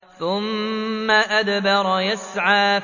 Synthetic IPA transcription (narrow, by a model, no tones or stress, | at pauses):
θʊmːaʔad̪bɑɾˤjasʕaː